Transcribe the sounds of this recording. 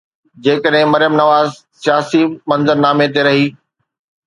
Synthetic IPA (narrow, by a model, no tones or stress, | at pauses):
d͡ʑeːkəɗɦɪ̃mɐɾjəmnɐʋaːz | sijaːsimɐ̃nzəɾnaːmet̪̬eɾɐɦiː